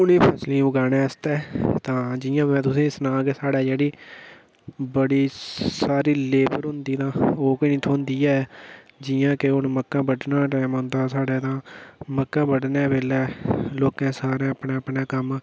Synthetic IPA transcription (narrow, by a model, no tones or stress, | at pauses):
ʊnĩːpʰəslĩːbəɡaːnẽːəst̪ɛːt̪ãːd͡ʒɪːãːmɛ̃ːt̪ʊsĩːsənãːkeːsaːɽaːd͡ʒeːɽiː | bəɽiːsaːɾiːleːpəɾɦʊ̃nd̪iːt̪ãːoːkːnĩːt̪ʰoːnd̪iːɛː | d͡ʒɪjãːkeʊnməkːãːbəɖnãːɾɛːmʊ̃nd̪aːsaːɽɛːt̪ãːməkːãːbəɖnɛːbeːlɛːloːkãːsaːɾẽːpneːəpneːkəm